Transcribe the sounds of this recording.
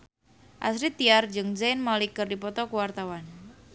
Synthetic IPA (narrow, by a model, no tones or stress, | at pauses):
ʔa̰sɾit̪ːiard͡ʒɨŋd͡ʒajnmalikərdipɔt̪ɔkuwart̪awan